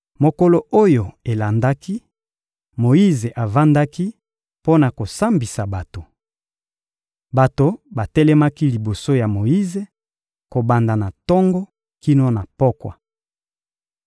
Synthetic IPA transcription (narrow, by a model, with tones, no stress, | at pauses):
mo˨ko˦lo˨ʔo˦jo˨e˨la˨nda˦ki˦ | mo˨i˦ze˨ʔa˨va˦nda˦ki˦ | po˦na˨ko˨sa˦mbi˨sa˨ba˨to˨ | ba˨to˨ba˨tɛ˦lɛ˦ma˦ki˦li˨bo˨so˦ja˨mo˨ji˦ze˨ | ko˨ba˨nda˨na˨tɔ˦ŋɡɔ˦ | ki˦no˦na˨pɔ˦kwa̰˨